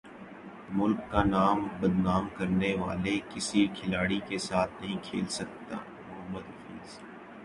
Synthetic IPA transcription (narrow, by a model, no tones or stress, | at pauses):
mʊlkːanaːmbɐd̪naːmkɐɾneʋa̰ːlekɪsikʰɪlaːɽikesaːt̪ʰnɐɦĩkʰḛːlsɐk̚t̪a̰ː | mʊmːəd̪fiːz